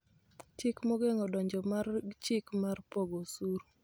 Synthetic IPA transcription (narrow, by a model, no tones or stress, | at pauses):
t͡ʃɪkmɔɡɛŋɔdɔɲd͡ʒɔmart͡ʃɪkmarpɔɡosuɾ